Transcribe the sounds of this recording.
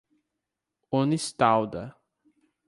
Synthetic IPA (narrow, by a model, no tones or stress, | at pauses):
onist̪awd̪ɐ